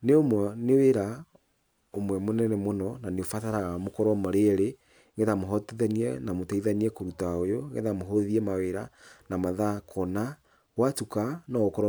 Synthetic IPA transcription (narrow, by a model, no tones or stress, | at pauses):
neomwɔneweɾa | omwɛmonɛnɛmonɔnaneofataɾaɣamokɔɾɔmɔɾeɾe | ŋeðamoɦɔteðɛniɛnamotɛiðaniɛkoɾutaojoŋɡḛðamoɦɔðiɛmaweɾanamaðakʰɔna | watukanɔɣokɔɾɔ